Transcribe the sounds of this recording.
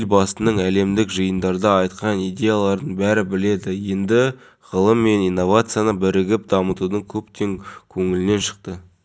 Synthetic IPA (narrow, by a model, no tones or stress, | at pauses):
lbɑst̪ənəɴæle̞md̪ɪkʒəjənd̪ɑɾd̪ɑɑjt̪qɑnijd̪ʲe̞jalˠɑɾd̪əɴbæɾɪbɪle̞d̪ɪje̞nd̪ɪ | ʁəlˠəmːe̞nijnːo̞vat̪sɨjanəbɪɾɪɡʲɪp̚d̪ɑmət̪ud̪əŋkʲʰɵpt̪e̞ŋkʲʰɵŋɪlɪne̞nʃə̥qt̪ə